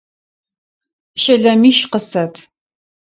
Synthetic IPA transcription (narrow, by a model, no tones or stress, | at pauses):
ʃɐɮɐmiːʃqəsɐtʰ